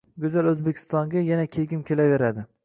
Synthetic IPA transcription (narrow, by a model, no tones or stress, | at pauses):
ɡʊzalɵzbekʲʰɪ̥st̪ɒŋɡʲajanakʲʰeɡʲɪmkʲʰelave̞ɾad̪ɪ